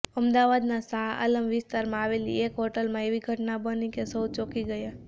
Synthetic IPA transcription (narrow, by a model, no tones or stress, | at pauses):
əmd̪aʋad̪nasaa̰ləmʋɪst̪aɾmãaʋelḭekɦɔʈəlmãeʋiɡʱəʈnabənikesəwt͡ʃokiɡəja